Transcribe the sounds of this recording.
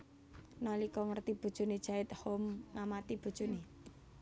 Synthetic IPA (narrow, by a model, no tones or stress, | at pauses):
nalikɔŋərt̪ib̥o̤d̥ʒ̥o̤ned̥ʒ̥a̤ɪt̪̚homŋamat̪ib̥o̤̥ʒ̥o̤ne